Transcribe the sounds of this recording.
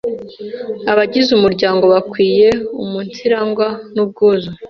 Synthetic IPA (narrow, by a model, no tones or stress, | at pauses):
aβaɟizumuɾɟaːŋɡo̞βakwiːje̞umuntiɾaŋɡwanub̚ɡuːzo